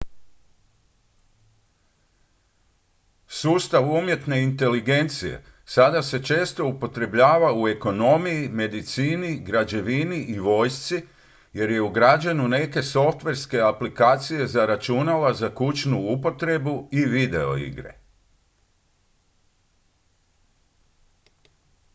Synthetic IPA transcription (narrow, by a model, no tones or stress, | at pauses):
suːst̪aʋumje̞t̪ne̞int̪e̞liɡe̞nt̪sije̞̰sad̪ase̞t͡ʃe̞ːst̪o̞upo̞t̪ɾe̞bʎaːʋaue̞ko̞no̞mijime̞d̪it̪siːniɡɾad͡ʑe̞ʋiniʔiʋo̞ːjst̪si | je̞ɾje̞uɡɾad͡ʑanune̞ke̞so̞ft̪ʋe̞ɾske̞aplikaːt̪sije̞zaɾat͡ʃunalazakut͡ʃnuupo̞t̪ɾe̞buiʋid̪e̞o̞̰ḭɡɾe̞̰